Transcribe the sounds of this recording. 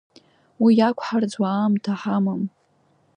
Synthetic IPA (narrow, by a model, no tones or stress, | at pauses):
wijakʷʰħard͡zwaːmtʰaħamam